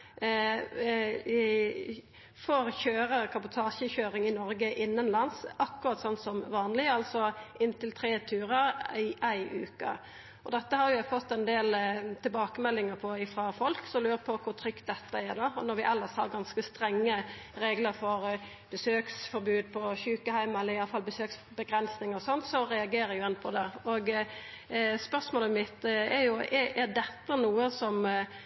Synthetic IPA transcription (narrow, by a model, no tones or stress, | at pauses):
fɔɾçøːɾəkʰɑbʊt̪ʰɑːʂəçøːɾɪŋɪnɔɾɡəʔɪnːənlɑnsɑkːʉʁɑt̪sɔnt̪sɔmʋɑːnlɪɑlsɔʔɪnːt̪ɪlt̪ʰɾeːt̪ʰʉːɾəɪʔæɪʔʉ̰ːkə̰ | ɔd̪ɛt̪ːəhɑɾjʊæfɔt̪ːɛnd̪eːlt̪ʰɪlbɑːkəmɛlːɪŋəpʰɔɪfɾɑfɔlksɔmlʉːɾəpʰɔkʰʊɾt̪ʰɾʏkt̪̚d̪ɛt̪ːəæɾd̪ɑɔnɔɾʋɪʔɛlːəshɑ̰ɾɡɑnskəst̪ɾɛŋːə | ɾeːɡləɾfɔɾ | b̥əsøːksfɔɾbʉːd̪̚pʰɔçʉːkəhæɪmɛlːəɾɪjɑlːəfɑlbəsøːksbəɡɾɛnsnɪŋəɾɔsɔnːt̪sɔɾɛɑɡeːɾəjʊɛnpʰɔd̪ɛoɡ | spœʁsmoːləmɪt̪ːæɾjʊɛʔæd̪ɛt̪ːənuːəsɔm